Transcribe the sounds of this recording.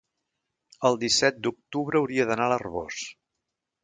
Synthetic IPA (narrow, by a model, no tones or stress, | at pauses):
əlˠd̪isɛt̪̚d̪uk̚t̪uβɾəːwɾiəðənalərβo̰s